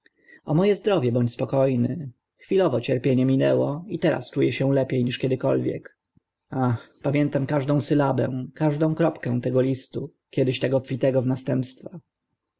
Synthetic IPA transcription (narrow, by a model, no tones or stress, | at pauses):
ɔmɔjɛzd̪ɾɔvʲjɛbɔɲt͡ɕspɔkɔjnɘ | xfʲilɔvɔt͡ɕɛɾpʲjeɲɛmʲinɛwɔit̪ɛɾa̰st͡ʂujɛɕɛ̃lɛpʲejɲiʂkʲɛd̪ɘkɔlvʲjɛ̰k | axpamʲjɛnt̪amkaʐd̪ɔ̃w̃sɘlabɛ̰̃w̃kaʐd̪ɔ̃w̃kɾɔpkɛ̃w̃t̪ɛɡɔlʲist̪u | kʲɛd̪ɘɕt̪ɛɡɔpfʲit̪ɛɡɔvnast̪ɛmpst̪fa